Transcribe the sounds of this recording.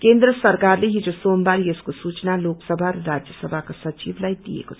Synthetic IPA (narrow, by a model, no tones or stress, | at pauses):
kend̪ɾəsʌɾkarleɦid͡ʒosombaɾieskosut͡ʃnaloksʌbʱaɾɾad͡ʒjəsʌbʱakosʌt͡ʃiblajd̪ḭḛkot͡sʰʌ̥